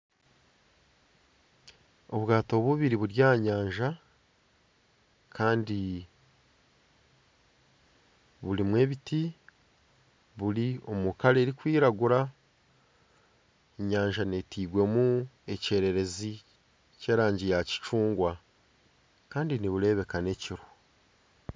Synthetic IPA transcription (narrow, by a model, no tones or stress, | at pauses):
o̞βɡaːto̞βuβiɾiβuɾjaːɲaːɲʒa | kʰaːndi | βulimwe̞ːβiti | βulio̞mukale̞ːɾikwiːɾaɡuɾa | eɲaːɲʒane̞tiːɡwe̞mue̞ce̞ːɾe̞ɾe̞zi | ce̞ːɾaːɲɟijaci̥t͡ʃuːŋɡwa | kaːndiniβuɾe̞ːβe̞kane̞ciɾo